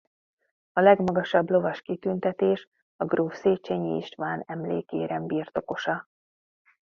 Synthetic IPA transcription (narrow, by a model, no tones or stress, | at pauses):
ɒlɛɡmɒɡɒʃɒblo̞vɒʃkit̪ynt̪ɛt̪eːʃ | ɒɡroːfseːt͡ʃeɲḭḭʃt̪ʋaːnɛmlḛːkḛːɾɛmbiːrt̪o̞ko̞ʃɒ